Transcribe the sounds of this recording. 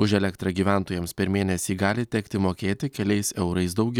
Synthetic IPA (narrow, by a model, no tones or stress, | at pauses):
ʊʒɛlʲɛkt̪ɾɐɡʲiːʋʲæˑnt̪oːjɛmspʲɛɾmʲeːnʲɛsʲiːɡɑːlʲɪt̪ʲɛkt̪ʲɪmoːkʲeːt̪ʲɪkʲɛlʲɛɪsɛʊɾɐɪs̬d̪ɒʊɡʲɛ